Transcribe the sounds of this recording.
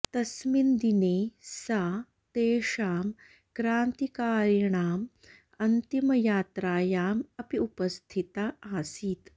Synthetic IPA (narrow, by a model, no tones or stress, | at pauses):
t̪ɐsmind̪ineːsa | t̪eːʂaːm | kɾaːnt̪ikaːɾjɐɳaːm | ɐnt̪imɐjaːt̪ɾaːjaːmɐpiupɐst̪ʰit̪aːaːsiːt̪